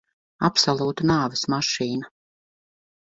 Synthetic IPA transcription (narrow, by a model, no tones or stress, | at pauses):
apsɔlˠuːt̪anaːvsmaʃiːna